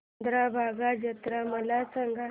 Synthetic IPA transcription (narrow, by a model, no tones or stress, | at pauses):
d̪ɾabʱaɡad͡ʑət̪ɾaməlat͡səŋɡʱa